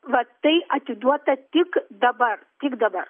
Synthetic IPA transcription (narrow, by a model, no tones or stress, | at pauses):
ʋɐt̪əjɐt̪id̪ʋat̪at̪ikd̪ɐbaɾt̪ikd̪ɐba̰ɾ